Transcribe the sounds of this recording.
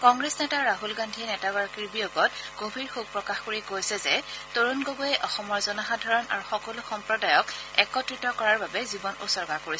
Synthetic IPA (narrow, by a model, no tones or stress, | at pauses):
kɔŋɡɹesnɛtaɹaɦulɡandʱiɛnɛtaɡɔɹakiɹbijoɡɔtɡ̥obʱiɹxuɡ̚pɹɔkaxkoɹiɡojsɛzɛtoɹunɡoboɛʔɔxɔmɔɹzɔnaxadʱaɹɔna̰ɹuxɔkɔlʊxɔmpɹɔdajɔkɛkɔtɹitɔkɔɹaɹbabɛzibɔnṵsɔɹɡakoɹis